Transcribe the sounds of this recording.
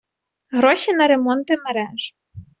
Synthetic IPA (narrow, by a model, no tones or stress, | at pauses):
ɣɾɔʃinɐɾemɔnt̪ɪmeɾɛʒ